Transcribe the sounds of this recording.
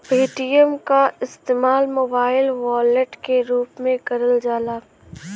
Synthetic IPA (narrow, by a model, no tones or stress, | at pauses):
peːʈijəmkaɪst̪eːmaːlmoːbaːɪlʋaːleʈkeɾuːpmẽkɐɾəld͡ʒaːlaː